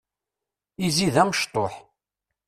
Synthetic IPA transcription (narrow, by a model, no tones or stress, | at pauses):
iziðæməʃt̪ˤoħ